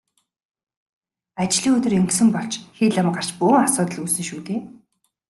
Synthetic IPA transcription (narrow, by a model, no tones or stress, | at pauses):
at͡ɕɮiːŋɵt̪ɵ̆reŋksɘ̆mpɔɬt͡ɕxiːɮăm̆qar̥t͡ɕpuːŋasʊːt̪ə̆ɮuːsɘ̆ŋʃuːt̪eː